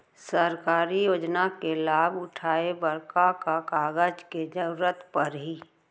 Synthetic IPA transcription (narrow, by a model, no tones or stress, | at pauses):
səɾkaːɾijoːd͡ʒnakelaːbʊʈʰaːebəɾkakakaːɡəd͡ʒked͡ʒəɾuːɾət̪pəɾɦiː